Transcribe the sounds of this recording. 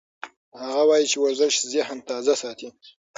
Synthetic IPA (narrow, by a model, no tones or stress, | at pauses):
haɣawɑjit͡ʃewaɾzɪʃzahamt̪ɑzasɑt̪i